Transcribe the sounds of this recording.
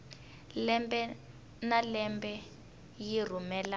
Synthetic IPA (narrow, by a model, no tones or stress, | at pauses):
lɛmbɛ | nalɛmbɛ | jir̤umɛːla